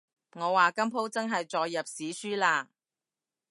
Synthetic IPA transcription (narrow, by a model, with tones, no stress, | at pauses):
ŋɔː˨˧waː˨kɐ˥mpʰo˥wt͡sɐ˥ŋɦɐ˨jt͡sɔː˧jːɐ˨p̚siː˨˥syː˥laː˧